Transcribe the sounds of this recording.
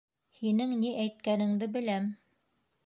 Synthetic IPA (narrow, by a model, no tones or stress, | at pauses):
hinɘŋniʔæjt̪̚kænɘ̆ŋd̪ɘbɘ̆læm